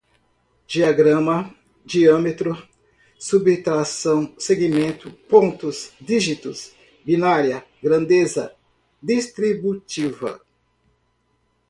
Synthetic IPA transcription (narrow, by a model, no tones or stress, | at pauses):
d͡ʒiaɡɾɐ̃mɐ | d͡ʒiɐ̃met̪ɾʊ | subit̪ɾasɐ̃w̃seɡimẽnt̪ʊpõnt̪ʊsd̪iʒit̪ʊs | binaɾiɐ | ɡɾɐ̃nd̪ezɐ | d̪ist̪ɾibut͡ʃivɐ̰